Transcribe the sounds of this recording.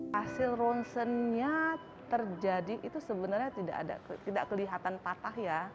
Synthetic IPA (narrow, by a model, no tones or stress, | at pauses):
asɪlrɔnsənɲa | t̪ərd͡ʒadiʔit̪usəbənarɲat̪ida̰ʔa̰da̰t̪idaʔkəliɦat̪anpat̪ahja